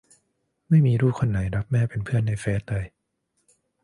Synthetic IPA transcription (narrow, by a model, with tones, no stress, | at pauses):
ma˥˩jmiː˧ɾuː˥˩kʰo˧nːa˩˦jɾa˦˥p̚mɛː˥˩pe˧npʰɯ˥˩ənːa˧jfɛː˦˥t̪a˧j